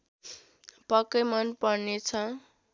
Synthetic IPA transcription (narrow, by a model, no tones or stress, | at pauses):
pʌkːʌjmʌnpʌɽnet͡sʰʌ